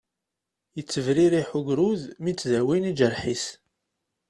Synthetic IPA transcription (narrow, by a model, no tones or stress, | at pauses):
jət͡sːəvɾiɾiħuɡɾuðmit͡sːðæwinid͡ʒəɾħis